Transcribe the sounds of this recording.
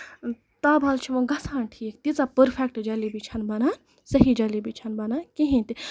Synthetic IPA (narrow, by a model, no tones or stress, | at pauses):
t̪abʱɐlt͡ʃʰimɐ̃ɡɐsʰaːnʈʰiːkt̪it͡sapəɾpʰek̚ʈd͡ʒɐlibʱit͡ʃʰɐnbɐna | sɐɦid͡ʒɐlibit͡ʃʰɐnbɐnakĩɦĩt̪i